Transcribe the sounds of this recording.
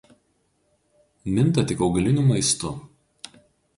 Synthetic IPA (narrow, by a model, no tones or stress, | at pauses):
mʲɪnˑt̪ɐt̪ʲɪkɒʊɡɐlʲɪnʲuːˑmɐɪst̪ʊ